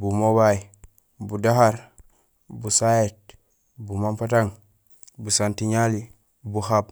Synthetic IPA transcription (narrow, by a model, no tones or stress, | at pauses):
bumobai | budaɦaɾ | busajet̚ | bumampataŋ | busantiɲali | buhab̚